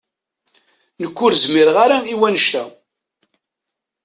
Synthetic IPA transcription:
nəkʷːʊɾzmɪɾʁaɾaiwænʃt̪æ

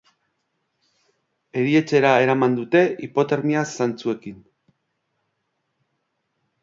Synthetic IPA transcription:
e̞ɾie̞t͡se̞ɾae̞ɾamand̪ut̪e̞ipo̞t̪eɾmiasant͡sue̞kin

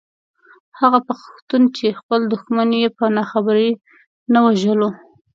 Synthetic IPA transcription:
haɣapaxxt̪unt͡ʃexpəld̪ʊxmanjepənɑxabaɾi | nawaʒəlo

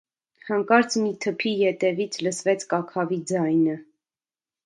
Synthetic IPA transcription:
hɑŋkɑɾt͡sʰmit̪ʰəpʰijɛt̪ɛvit͡sʰləsvɛt͡sʰkɑkʰɑvid͡zɑjnə

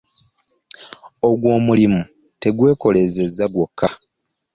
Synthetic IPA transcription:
o̞ɡwo̞ːmulimu | te̞ɡwe̞ːko̞le̞ze̞zːaɡwokːa

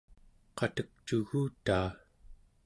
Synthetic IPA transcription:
qɑt̪ək̚t͡ʃuɣuːt̪aː

